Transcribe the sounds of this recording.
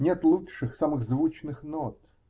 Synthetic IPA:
nʲet̪lˠutʂɨxsamɨɣzvut͡ɕnɨxnot̪

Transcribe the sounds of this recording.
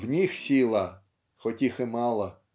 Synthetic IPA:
wnʲixsʲilˠɐ | xɔtʲixɪmɑlˠɐ

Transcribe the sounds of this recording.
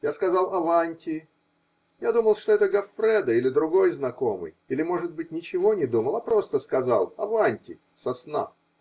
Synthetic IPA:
jaskɐzɑlˠɐvanʲtʲɪ | jad̪uməlˠʂt̪o̞ɛt̪əɡɐfɾʲɛd̪əilʲɪd̪ɾʊɡo̞jznɐko̞mɨ̰jilʲɪmo̞ʐɨd̪̚bɨt̚ʲnʲɪt͡ɕɪvo̞nʲɪd̪uməlˠapɾo̞st̪əskɐza̰lˠɐ̰vanʲtʲɪ̰ | sɐsna̰

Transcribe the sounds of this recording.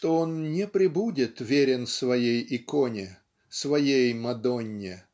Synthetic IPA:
t̪oonnʲɪpɾʲɪbudʲɪt̪vʲeɾʲɪnsvɐjejɪkonʲɪ | svɐjejmɐd̪onʲːɪ

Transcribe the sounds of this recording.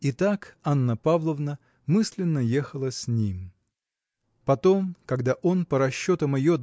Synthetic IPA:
ɪt̪akanːəpavlˠəvnə | mɨsʲlʲɪnːəjexəlˠəsʲnʲim | pɐt̪o̞mkɐɡd̪aʔo̞npəɾɐɕːo̞t̪əmɪjo

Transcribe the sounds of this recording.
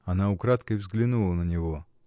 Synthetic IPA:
ɐnaʊkɾat̪kəvzɡlʲɪnulˠənənʲɪvo

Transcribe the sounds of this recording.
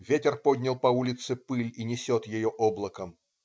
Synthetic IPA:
vʲetʲɪrpod̪ʲnʲɪlˠpɐulʲɪt̪sɨpɨlʲinʲɪsʲot̪jɪjoʔoblˠəkəm

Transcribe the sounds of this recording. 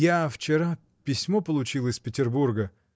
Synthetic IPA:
jaft͡ɕɪɾa | pʲɪsʲmo̞pəlˠʊt͡ɕilˠɪspʲɪtʲɪrburɡə

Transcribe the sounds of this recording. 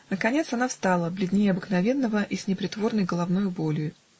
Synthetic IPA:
nəkɐnʲe̞t̪sɐnafst̪alˠəblʲɪd̪ʲnʲejəɐbɨknɐvʲe̞nːəvəʔisʲnʲɪpɾʲɪt̪vo̞rnəjɡəlˠɐvnujʊbolʲjʊ

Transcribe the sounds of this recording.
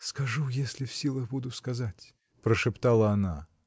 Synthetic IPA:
skɐʐujesʲlʲɪfsʲilˠəxbud̪ʊskɐzatʲ | pɾəʂɨpt̪alˠəɐna

